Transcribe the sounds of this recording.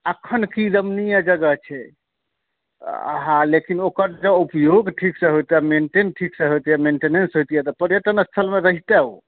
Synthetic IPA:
əkʰːənkid̪əmnijad͡ʒəɡət͡ʃʰɛ | ɦãlekinokəɾd͡ʒəupjoɡʈʰiksəɦojt̪jameɳʈenʈʰiksəɦojt̪ijɛmeɳʈenensɦojt̪ijɛt̪ɔpəɾjət̪ənəst̪ʰəlmeɾəɦit̪ɛo̰

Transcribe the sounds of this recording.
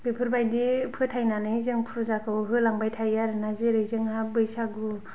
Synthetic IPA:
bɯpʰɯɾbajdipʰɯtʰajnanɯjzɯŋpʰɯzakʰɯwɦɯlaŋbajtʰajaɾɯnazeɾɯjzɯŋhabɯjsaɡu

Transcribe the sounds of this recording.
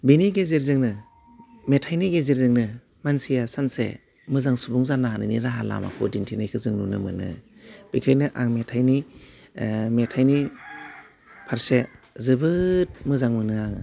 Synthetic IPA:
biniɡezeɾzɯŋnɯ | metʰajniɡezeɾzɯŋnɯ | mansijasansḛ | mɯzaŋsubuŋzananɯniɾaɦala̰ma̰kʰṵdintʰinajkʰɯzɯŋnunɯmɯnɯ̰ | b̥ikʰajnɯʔaŋmetʰajni | metʰajni | pʰaɾse | zɯbɯt̚mɯzaŋmɯnɯaŋɯ

